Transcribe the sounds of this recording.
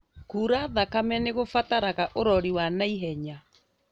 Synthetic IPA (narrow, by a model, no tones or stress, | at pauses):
kuːɾaðakamɛneɣofataɾaɣaʔoɾɔɾiwanaiɦɛɲa